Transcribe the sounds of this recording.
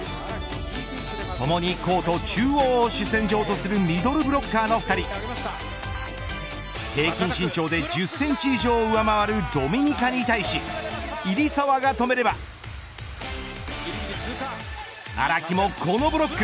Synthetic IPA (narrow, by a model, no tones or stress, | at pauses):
t̪o̞mo̞ɲ̟iko̞ːt̪o̞t͡ɕɨːoːɕɨsẽ̞ɲ̟d͡ʑo̞ːt̪o̞sɨɾɯ̟mʲid̪o̞ɾɯ̟bɯ̟ɾo̞kːaːno̞ɸɯ̟t̪aɾʲi | he̞ːkʲĩɕĩɲ̟t͡ɕo̞ːd̪e̞d͡ʑɨsːẽ̞ɲ̟t͡ɕiiʑo̞ːɯ̟amaβaɾɯ̟d̪o̞mʲiɲ̟ikaɲ̟it̪aiɕiiɾʲisoβaɡat̪o̞me̞ɾe̞ba | a̰ɾakʲimo̞kʰo̞no̞bɯ̟ɾo̞kːɯ